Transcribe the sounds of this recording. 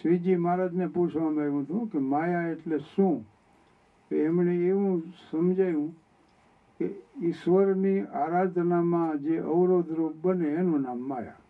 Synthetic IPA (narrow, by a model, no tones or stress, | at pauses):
ʃʋid͡ʒimaɾəd͡ʒ̪neput͡ʃʰʋaməʋũt̪ʰũkemajaeʈleʃũ | keːmneeʋũsəmd͡ʒajũ | keɪʃʋəɾniaɾad̪ʱnamãd͡ʒeʔəʋɾod̪ʱɾup̚bəneːnũnamːaja̰